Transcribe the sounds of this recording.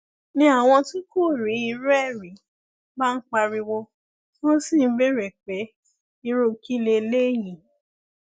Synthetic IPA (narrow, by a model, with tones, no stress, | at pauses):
nĩ˧˦a˦˨w̃ɔ̃˧tũ˦ko˦˨ɾi˨˦i˧ɾɛ˦˨ɾi˨˦ | ba˦n̩˦k͡pa˧ɾi˧wo˧ | wɔ̃˦sĩ˦˨n̩˦be˦ɾɛ˨k͡pe˨˦ | i˧ɾo˦ki˦le˧le˦˨jĩ˨